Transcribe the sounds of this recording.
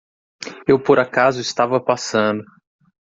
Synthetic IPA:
ewpoɾakazʊɪst̪avɐpasɐ̃nd̪ʊ

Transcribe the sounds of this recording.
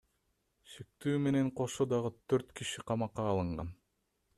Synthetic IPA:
ʃe̞k̚t̪yːme̞ne̞ɴqʰo̞ʃod̪ɑʁɯt̪ʰøɾt̪kiʃiqʰɑmɑqːɑːlˠɯɴʁɑ̰n

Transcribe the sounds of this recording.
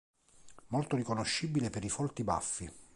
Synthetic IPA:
molt̪orikonoʃːibilepeɾifɔlt̪iba̰fːi

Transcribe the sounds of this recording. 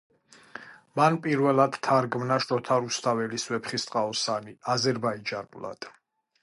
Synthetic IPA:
manpʼiɾvɛlad̪̥t̪ʰaɾɡmnaʃt̪ɔt̪ʰaɾust̪ʰavɛliswɛpʰχist̪ʼqʼaɔsaniazɛɾbaid͡ʒanʼulˠa̰d̪̥

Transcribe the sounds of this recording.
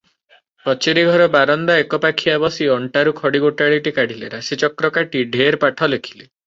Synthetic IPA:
pɾɔt͡ʃiɾiɡʱɔɾɔbaɾɔnd̪aekɔpakʰiabɔsiɔɳʈaɾukʰɔɽiɡoʈaɭiʈikaɽ̤ileɾaset͡ʃɔkɾɔkaʈiɖʱeɾpaʈʰɔlekʰi̥le

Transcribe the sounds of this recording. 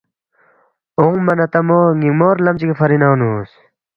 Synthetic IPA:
oŋmɐnɐt̪ɐmoŋiŋmoːɾlɐmt͡ɕikefʰɐɾinaːnuːs

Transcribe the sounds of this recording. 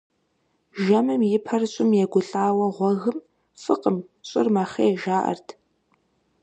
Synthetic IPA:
ʒɐmɨmjɪpʰɐrɕʼɪmjɛɡʷʊɬʼaːwɐʁʷɔɣɨm | fɨqʼəmɕʼɪrmaχeːʒaːʔɐ̰rtʰ

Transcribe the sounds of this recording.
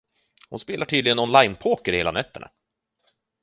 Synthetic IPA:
hʊnspeːlaʈʰyːd̪lɪɡənɔnlajnpʰoːkəɾheːlanɛt̪ʰːəɳa̰

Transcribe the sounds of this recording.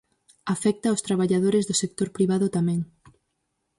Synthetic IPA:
afɛk̚t̪aost̪ɾaβaʎaðoɾɪzðʊsek̚t̪oɾpɾiβ̞aðʊt̪amɛ̃ŋ

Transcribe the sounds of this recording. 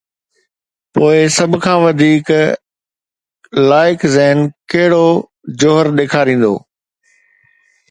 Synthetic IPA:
poːɪsɐbʱkʰãːʋɐd̪ʱiːk | laːɪkzɛɦɪnkɐɦɪɽo | d͡ʑoɦəɾɗeːkʰaɾĩːn̆d̪o̰ː

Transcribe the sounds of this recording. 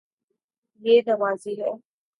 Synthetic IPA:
jeːnɐʋaːziːɦɛː

